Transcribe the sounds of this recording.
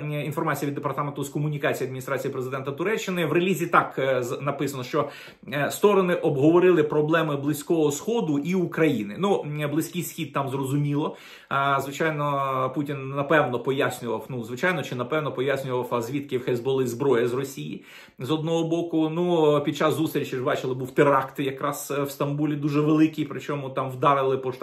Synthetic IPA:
infɔrmɑt͡sʲjɐid̪ːepɐrt̪ɑment̪ʊskɔmʊnʲikɑt͡sʲijiɐd̪mʲinʲist̪ɾat͡sʲijipɾezɪd̪ɛnt̪ɐt̪ʊɾɛt͡ʃːɪnɪwrelʲizʲit̪ɑknɐpɪsɐnɔʃt͡ʃɔ | st̪ɔɾɔnɪʔɔbɦɔʋɔɾɪlˠɪpɾɔblˠɛmɪblˠɪsʲkɔɦɔsxɔd̪ʊʔiukɾɐjinɪnublˠɪsʲkɪjsxʲid̪̚t̪ɑmzrɔzʊmʲilˠɔ | zʋɪt͡ʃajnɔputʲinːɐpɛwnɔpɔjasʲnʲʊʋɐwnuzʋɪt͡ʃajnɔt͡ʃɪnɐpɛwnɔpɔjasʲnʲʊʋɐwɐzʲʋʲit̪kɪwxɛzbɔlˠɪzbɾɔjɐzrɔsʲijḭ | zɔd̪nɔɦɔbɔkʊnupʲid̪̚t͡ʃɑsːust̪ɾʲt͡ʃɪʒbɑt͡ʃɪlˠɪbuwt̪ɪɾɑkt̪jɐkɾɑswst̪ɐmbulʲid̪uʒɛʋelˠɪkijpɾɪt͡ʃɔmʊt̪ɑmwd̪ɑɾɪlˠɪpɔʃ

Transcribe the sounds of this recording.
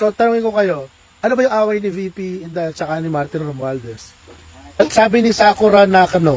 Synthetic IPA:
sot̪ɐnuŋɪnkokɐjo̞ | ʔɐnobɐjʊŋʔaːwɐjnɪvipiɪnd̪at͡ʃɐkanɪmaɾt̪ɪnɾomald̪ɛs | ɐt̪saːbɪnɪsaːkoɾanakɐno

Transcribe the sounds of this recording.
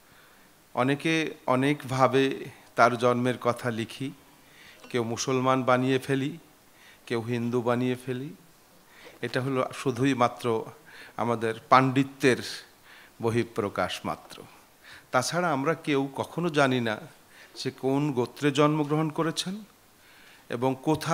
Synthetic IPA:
ɔ̰nekeɔnekbʱabet̪aɾd͡ʑɔnmeɾkɔt̪ʰalikʰi | kewmusolmanbanijefeli | kewɦind̪ubaniefeli | eʈaɦoloʃud̪ʱujmat̪ːɾoa̰mad̪eɾpaɳɖit̪ːeɾ | boɦipːɾokaʃma̰t̪ːɾo̰ | t̪at͡ɕʰaɾaamɾakewkɔkʰonod͡ʑanina̰ | d͡ʑekonɡot̪ːɾed͡ʑɔnmoɡɾoɦonkoɾet͡ɕʰen | ḛboŋkot̪ʰa

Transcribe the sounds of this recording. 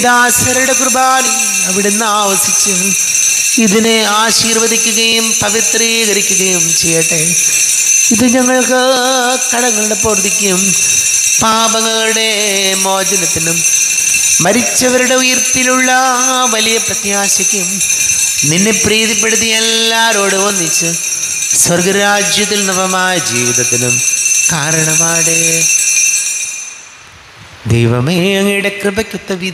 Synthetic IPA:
iðaːsɐɾɐuɽekrubaːli | ɐʋiɽenːɨaːʋɐsit͡ɕːal | iðineaːɕiːrʋɐðikʲːuɣɐjumpɐʋit̪riːɣɐɾikʲːuɣɐjumt͡ɕejːɐʈːe | iðɨɲɐŋːɐɭkɨ | kɐɽɐŋːɐɭuɽe̞poːrd̪ikʲːum | paːbɐŋːɐɭuɽe̞ | mo̞ːd͡ʑɐnɐt̪ːinumː | ɐɾit͡ɕːɐʋɐɾuɽe̞ujɐrt̪ːiluɭːɐ | ʋɐlijɐprɐt̪jaːɕɐkʲːum | ninːe̞priːðip̬ːe̞ɽut̪̬ːijelːaːɾo̞ːɽɨoːnːit͡ɕːɨ | swɐrɡɐɾaːd͡ʑjɐt̪̬ːilnɐbɐmaːjɐd͡ʑiːʋiðɐt̪ːinumkaːɾɐɳɐmaːjɽe | d̪ḛjʋɐmeɐŋːɐjuɽe̞krɨbɐkʲːut̪ːɐʋi

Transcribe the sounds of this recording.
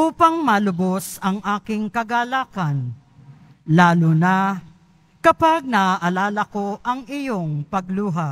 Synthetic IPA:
ʔuːpɐŋmɐlʊbosɐŋʔaːkɪŋkɐɡaːlaːkɐn | laːlʊna | kɐpaɡ̚nɐʔɐlaːlɐkoʔɐŋɪjoŋpɐɡ̚luːɦa

